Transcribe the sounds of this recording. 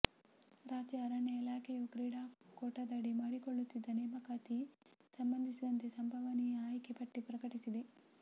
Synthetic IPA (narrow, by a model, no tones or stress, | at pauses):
ɾaːd͡ʒjɐːɾɐɳɐilaːkejokɾiːɽaːkoːʈɐd̪aːɽimaːɽikoɭːut̪ːid̪ːɐnɛːmɐkaːt̪i | sɐmbɐnd̪ʱisid̪ɐnt̪esɐmbʱɐʋɐniaːjkʰepɐʈːipɾɐkɐʈisid̪e